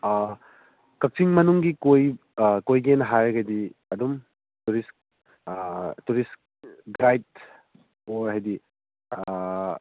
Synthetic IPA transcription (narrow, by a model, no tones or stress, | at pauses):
kɐk̚siŋmɐnuŋɡikojkojɡenɦaɾɡɐdiɐdum | tuɾisk̚ | tuɾisk | ɡɾajd̚ | oɾɦajdi